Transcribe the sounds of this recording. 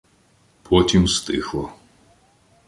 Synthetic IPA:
pʰɔt̪ʲʰimst̪ʼɨxlɐ

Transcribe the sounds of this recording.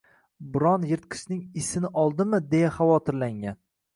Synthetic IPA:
bɪɾɒnjɪɾt̪̚qʰɨ̥ʃnɪŋɪsɪnɪʔɒlˠd̪ɪmɪd̪e̞jaχavɒt̪ʰɪɾlaŋan

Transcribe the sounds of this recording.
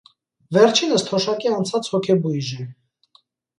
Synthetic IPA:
vɛɾt͡ʃʰinəst̪ʰɔʃɑkiɑnt͡sʰɑt͡shɔkʰɛbujʒɛ

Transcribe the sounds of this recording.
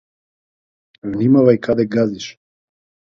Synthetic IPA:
vnimavajkad̪ɛɡaziʃ

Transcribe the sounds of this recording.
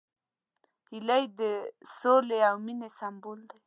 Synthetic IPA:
hilajd̪əsoleawminesambold̪aj

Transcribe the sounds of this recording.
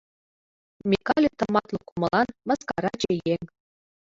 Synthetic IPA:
mʲekɑlʲit̪ɤ̆mɑt̪lˠɤ̆kumɤ̆lˠɑnmɤ̆skɑɾɑd͡ʑejeŋ

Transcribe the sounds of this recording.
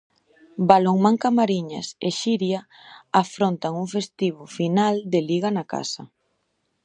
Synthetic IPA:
baloŋmãŋkamaɾiɲa̰seʃiɾja | afɾont̪aŋuŋfest̪iβʊfinald̪ɪliɣanaka̰sɐ̰

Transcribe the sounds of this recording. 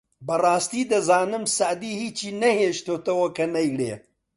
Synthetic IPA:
bɐrˤɑːst̪iːd̪ɐzaːnɨmsɐʕd̪iːhiːt͡ʃʰiːnɐheːʃt̪oːt̪ɐwɐkɐnɐjlḛː

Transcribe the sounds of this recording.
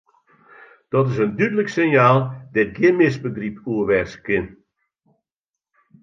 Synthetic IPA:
d̥ɔtɪsəndydələksɪnjaːlˠdɛt̚ɡɪnmɪsbəɡripuːəʋɛrskɪn

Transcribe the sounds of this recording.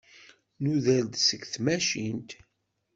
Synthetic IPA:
nuðæld̪səɡθmæʃint̪

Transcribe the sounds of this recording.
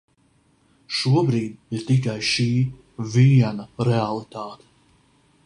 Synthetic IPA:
ʃuɔbɾiːd̪iɾt̪ik̬ajʃiː | viɛnɐɾealˠit̪aːt̪e̥

